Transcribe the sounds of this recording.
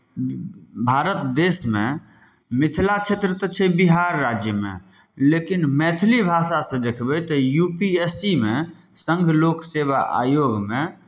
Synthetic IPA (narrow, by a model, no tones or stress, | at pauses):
bʱaɾət̪d̪esme | mit̪ʰlat͡ʃʰet̪ɾət̪ɔt͡ʃʰɛbiɦaɾːad͡ʒjəmḛ | lekinmɛt̪ʰlibʱasasə̃d̪ekʰbɛt̪ɔjupiesime | sə̃ŋɡʱlokseβa̰ʔa̰joɡme